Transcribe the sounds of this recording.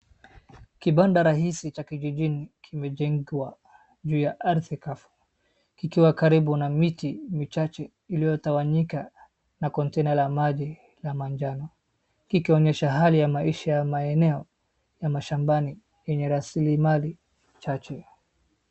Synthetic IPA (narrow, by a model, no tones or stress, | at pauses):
kiɓandaɾaɦisit͡ʃakiʄiʄinikʰimɛʄɛŋɡiwa | ʄuːjaʔaɾθikafu̥ | kikiwakaɾiɓunamitimit͡ʃat͡ʃɛ | ilijɔtawaɲika | nakɔntɛnalamaʄi | lamand͡ʒanɔ | kikiɔɲɛʃaɦalijamaiʃajamaɛnɛɔ | jamaʃambani | jɛɲɛɾasilimali | t͡ʃat͡ʃɛ